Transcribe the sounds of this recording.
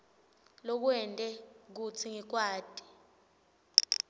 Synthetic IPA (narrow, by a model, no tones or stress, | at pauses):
lok̬uɛntʼɛk̬ut͡sʰiŋik̬waːd̥ʱʼi̥